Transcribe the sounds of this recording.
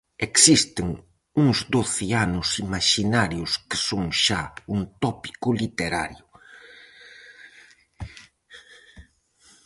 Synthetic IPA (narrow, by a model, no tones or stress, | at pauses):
eksist̪ɪŋ | uŋzd̪oθɪanʊsimaʃinaɾjʊskɪ̥soŋʃaunt̪ɔpi̥kʊlit̪eɾa̰ɾjʊ